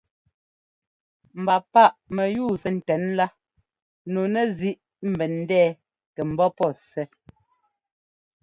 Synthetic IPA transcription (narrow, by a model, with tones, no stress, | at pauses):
m̩˨ba˨pa˦˨ʔmɛ˨juː˦˨sɛ˨n̩˨tɛ˨˦nla˦ | no˨nɛ˦zi˦ʔ | m̩˨bɛ˨n̩˦dɛː˦˨ | kɛ˨m̩˨bɔ˦pɔ˦˨sɛ˦